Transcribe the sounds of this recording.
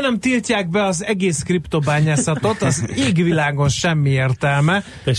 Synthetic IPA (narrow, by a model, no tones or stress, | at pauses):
nɛmt̪ilcaːɡ̚bɛɒzɛɡeːskript̪o̞baːɲaːsɒt̪o̞t̪ɒzeːɡʋilaːɡo̞nʃɛmːieːrt̪ɛlmɛ